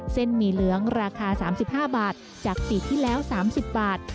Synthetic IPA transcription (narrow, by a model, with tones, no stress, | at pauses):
se˥˩nmiː˧lɯ˩˦əŋɾaː˧kʰaː˧saː˩˦msi˨˩p̚haː˥˩baː˨˩t̪̚ | t͡ɕaː˨˩k̚t̪i˨˩t̪ʰiː˥˩lɛː˦˥wsaː˩˦msi˨˩p̚baː˨˩t̪̚